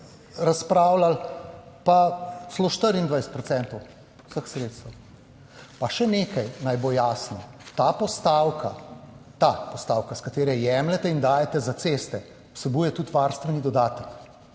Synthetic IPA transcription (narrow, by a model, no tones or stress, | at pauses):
ɾaspɾaːwlal | pasloʃt̪əɾind̪ʋajst̪pɾɔt̪sɛːnt̪ɔw | səxsɾeːt̪st̪əw | paʃɛneːkajnajbojaːsnɔt̪apɔst̪awkʰat̪apɔst̪awkaskat̪eːɾɛjɛmlɛt̪ɛind̪aːjɛt̪ɛzat̪seːst̪ɛ | u̥sɛbuːjɛt̪ut̪ʋaɾst̪ʋɛnid̪ɔd̪aːt̪ək